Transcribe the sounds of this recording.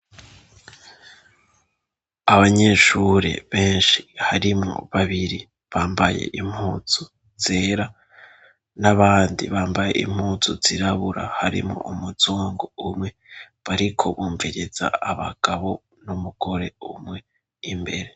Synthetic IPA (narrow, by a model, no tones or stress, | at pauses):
aβaɲe̞ʃuɾḛβe̞ːnʃi̥haɾimŋo̰βaβiɾi | βaːmbajḛʔim̥huːt͡su | z̥e̞ːɾa | naβaːndḭβaːmbaje̞̰ʔḭm̥huːt͡suz̥iɾaβuɾa̰haɾḭmŋo̰ʔumuzuːŋɡoumŋe̞ | βaɾikʰo̞βuːɱviɾiz̥a̰aβaɡ̥aβo̞ | numuɡ̥oɾe̞umŋe̞ | imbe̞̰ɾe̞